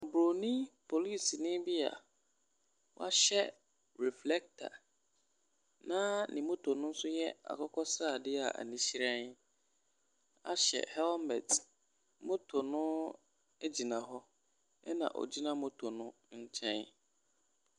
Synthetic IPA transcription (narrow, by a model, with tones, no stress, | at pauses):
bɾo˨nĩ˦pʰo˨li˦˨snɪ̃˦bi˦a̰˨ | wɔ˦a˦ɕɛ˦ | ɾɛ˨flɛ˦k̚tʰa̰˨ | nã˦nĩ˨mõ˦tʰo˨nʊ̃˦n̩˦sʊ˦jɛ˦a̰˨kʰɔ˦kʰɔ˦sɾa˦˨dɪ˦a̰˨ʔa̰˨nĩ˨ɕi˦ɾɛ̃˦n | a̰˦ɕɛ̰˨hɛ˦lmɛ̰˨t | mo˦tʰo˨nʊ̃˦ | ɛ˦d͡ʑi˨nã˨ɦɔ˦ | ɛ˦nã̰˨ʔɔ̰˨d͡ʑi˦nã˦mõ˦tʰo˨nʊ̃˦ | ɲ̩˦t͡ɕʰɛ̃˦n